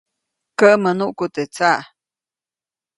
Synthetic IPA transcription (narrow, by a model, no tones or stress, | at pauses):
kəʔmənuʔkut̪et͡saʔ